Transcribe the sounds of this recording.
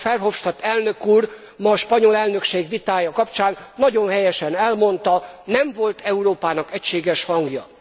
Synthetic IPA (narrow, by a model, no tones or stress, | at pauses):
fɛrɦo̞fʃt̪ɒt̪ɛlnø̞kuːr | mɒʃpɒɲo̞lɛlnø̞kʃeːɡʋit̪aːjɒkɒpt͡ʃaːnːɒɟo̞nhɛjɛʃɛnɛlmo̞nt̪ɒnɛmvo̞lt̪ʰɛuɾoːpaːnɒkɛcʃeːɡɛʃhɒŋɡjɒ